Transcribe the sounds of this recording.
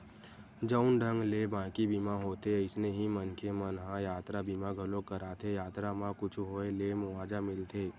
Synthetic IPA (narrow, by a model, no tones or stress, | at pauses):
d͡ʒəʊnɖʱə̃ŋɡlebãːkibimaɦoːt̪eɪsneɦimənkʰemənɦãjaːt̪ɾabimãɡʱɐlokəɾaːt̪ʰejaːt̪ɾamãkʊt͡ʃʰɦoːelemʊʋaːd͡ʒamɪlt̪ʰeː